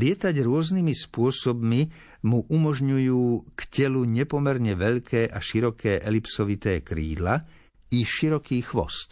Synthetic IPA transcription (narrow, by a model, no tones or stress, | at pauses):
lɪɛt̪aɟɾʊɔznimispʊɔsɔbmi | muʔumɔʒɲujuːkcɛluɲɛpɔmɛɾɲɛʋɛʎkʰɛːʔaʃiɾɔkʰɛːʔɛlipsɔʋit̪ɛːkɾḭːd̪la | iʃiɾɔkiːxʋɔ̰st̪